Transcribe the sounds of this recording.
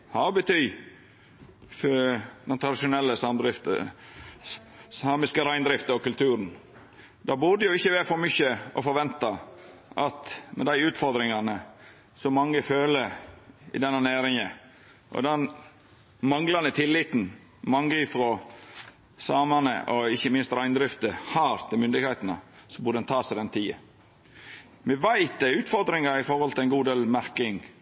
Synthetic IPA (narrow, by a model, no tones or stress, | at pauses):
hɑɾbət̪ʰyː | fd̪ɛnt̪ʰɾɑd̪ɪʂʊnɛlːəsɑmd̪ɾɪft̪ə̰ | sɑːmɪskəɾæɪnd̪ɾɪft̪əɔkʉlt̪ʰʉːɾən | d̪ɑːbʊd̪əjʊɪçːəʋɛfɔɾmʏçəɔfɔɾʋɛnt̪ɑʔɑt̪mɛ̰d̪æɪʉːt̪fɔɾd̪ɾɪŋɑnə | sɔmɑŋːəføːləɾɪ̰d̪ɛnːənæːɾɪŋə | ʔɔ̰d̪ɛn | mɑŋlɑnət̪ʰɪlːɪt̪n̩ | mɑŋɡɾɪfɾɔ | sɑːmɑnə̰ʔɔɪçːəmɪnst̪ɾæɪnəd̪ɾɪft̪əhɑɾt̪ʰɪlmʏnd̪ɪɡheɪt̪ənə̰sɔbʊɾd̪ɛnt̪ʰɑːsæɪd̪ɛnt̪ʰiːə̰ | mɛʋæɪt̪̚d̪ɛʉːt̪fɔɾd̪ɾɪŋɑɾɪfɔɾhɔlt̪ʰɪlæɪnɡuːd̪eːlmæɾkɪŋ